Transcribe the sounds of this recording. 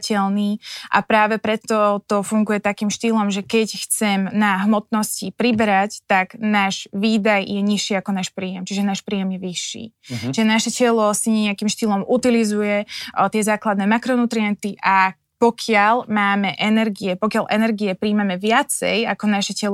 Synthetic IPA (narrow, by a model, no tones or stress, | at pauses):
cɛlniːʔa̰pɾaːʋɛpɾɛt̪ːɔt̪ɔfuŋɡujɛt̪akiːmʃt̪iːlɔmʒɛkɛcxt͡sɛmnaɦmɔt̪nɔscipɾibɛɾact̪aɡnaːʒʋiːd̪ajjɛɲiʃːiːakɔnaːʃpɾiːjɛmt͡ʃiʒɛnaːʃpɾiːjɛmjɛʋiʃːḭːt͡ʃiʒɛnaʃɛcɛlɔsiɲɛɲɛakimʃt̪iːlɔmut̪ilizujɛt̪ɪɛzaːklad̪nɛːmakɾɔnut̪ɾiɛnt̪iʔa | pɔkʰɪalmaːmɛʔɛnɛɾɡiɛpɔkjalʔɛnɛɾɡiɛpɾiːmamɛʋɪat͡sɛ̰jakɔnaʃɛcɛlɔ